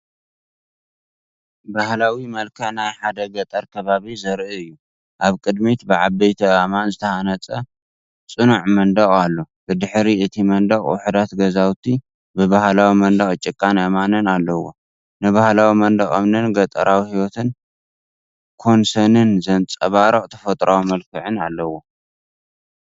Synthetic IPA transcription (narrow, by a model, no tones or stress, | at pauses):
bahlawimɐlkʰɐħnajħad̪ɐɡɐt̪ʼɐɾkʰɐβaβizɐɾʔɨɨjːu | ʔaβkʼɨd̪mit̪bɨʕabɐjt̪ʰɐamanzɨt̪ʰɐhanɐt͡sʼɐ | t͡sʼɨnuʕmɐnd̪ɐχʼalːo̞ | b̥ɨd̪ɨħɾiʔɨt̪ʰimɐnd̪ɐχʼwʊ̰ħud̪at̪ɡɐzawt̪ʰi | bɨbahlawimɐnd̪ɐχʼt͡ʃʼːɪkʼːanɐmanɨnalːɐwo̰ | nɨβahlawimɐnd̪ɐχʼo̰mnɨnɡɐt̪ʼɐɾawihiwot̪ʰɨn | kʰo̞nsɐnɨnzɐnt͡sʼɐβaɾɐqʼt̪ʰɐ̥fɐt̪ʼɾawmɐlkʰɨʕɨnalːɐwo̞